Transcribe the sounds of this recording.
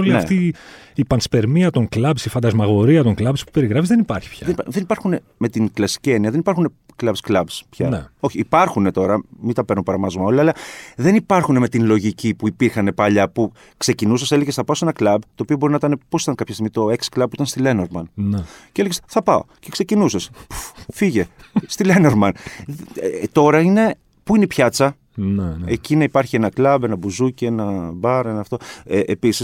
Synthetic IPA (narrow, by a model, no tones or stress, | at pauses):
olinɐeft̪iːpɐnspe̞ɾmiɐt̪o̞ŋklɐbsifɐnd̪ɐzmɐɣo̞ɾiɐt̪oŋklɐbspu̥pe̞ɾiɣɾɐfizðenipɐɾçi̥pçɐðeniðe̞nipɐɾxune̞ | me̞t̪iŋklɐsi̥cieniɐðe̞nipɐɾxune̞ | klɐbsklɐbspçɐneo̞çiːpɐɾxune̞t̪o̞ɾɐmit̪ɐpe̞ɾnupɐɾɐmɐzomɐo̞liɐlɐðe̞nipɐɾxune̞me̞t̪inlo̞ʝicipuipiɾxɐne̞pɐʎɐpu | kse̞cinusɐse̞leʝesθɐpɐose̞nɐklɐbt̪o̞ːpio̞bo̞ɾinɐit̪ɐne̞po̞si̥t̪ɐŋkɐpçɐst̪iɣmit̪o̞eksi̥klɐb̚pːuit̪ɐnst̪ile̞noɾmɐnnceeleesθɐpɐo̰ce̞kse̞cinusespu̥fiʝe̞st̪ileneɾmɐn | t̪o̞ɾɐine̞ | puineipçɐt͡sɐ | neecinɐipɐɾçie̞nɐklɐbe̞nɐbuzuceenɐbɐɾe̞nɐːft̪o̞eʔepisis